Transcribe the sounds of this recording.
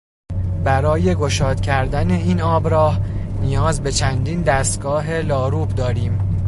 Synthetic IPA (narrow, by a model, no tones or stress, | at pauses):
bæɾɒːje̞ɡo̞ʃɒːd̪̥cʲʰæɾd̪æne̞iːnɒːbɾɒːhnijɒːzbe̞t͡ʃʰænd̪iːnd̪æst̪ɡ̥ɒːɦe̞lɒːɾuːbd̪ɒːɾiːm